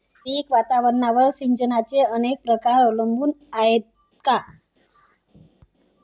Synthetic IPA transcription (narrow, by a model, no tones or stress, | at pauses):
iːkʋat̪aʋəɾnaʋəɭsiɲd͡ʑənat͡seənek̚pɾəkaɾəʋləmbuːnaet̪ | ka